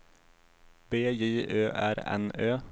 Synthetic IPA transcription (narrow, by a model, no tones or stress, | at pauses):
beːjiːʔøːʔæɾɛ̰nøː